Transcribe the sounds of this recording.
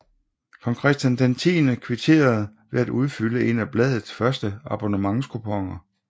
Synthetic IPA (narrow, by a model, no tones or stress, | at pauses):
kʰɒ̽ŋkʰʁɛsd̥jænd̥ent͡sʰḭːnəkʰʋet͡sʰe̝̰ːɐð̞̩ˠ | ʋe̝æd̥uð̞ˠfyləʔe̝næb̥lɛð̞̰ˠð̩ˠsfɶɐsd̥əɑ̈b̥onəmɑ̈ŋskʰupʰɒ̽ŋ̰ɐ